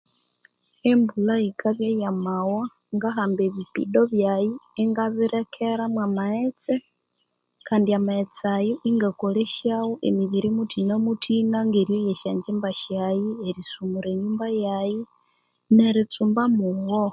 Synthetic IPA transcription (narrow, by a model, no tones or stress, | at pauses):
embulaikʰaβjejamawa | ŋɡaɦaːmbeβipḭdoβjajieŋɡaβiɾekʰeɾamwamaet͡se | kaːndiamaet͡sajoʔiŋɡakoleʃjawoʔḛmiɟiɾimutʰinamutʰinaŋɡeɾjojeʃaːɲd͡ʒembaʃajieɾisumuɾeɲumbajaji | neɾit͡suːmbamuɣo